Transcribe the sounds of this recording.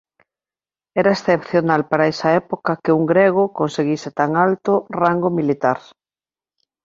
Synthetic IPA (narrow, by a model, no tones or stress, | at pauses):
ɛɾɐesθepθjonalpaɾaɛsɐɛpokakeuŋɡɾeɣ̞ʊkonseɣiset̪aŋalt̪ʊraŋɡomilit̪aɾ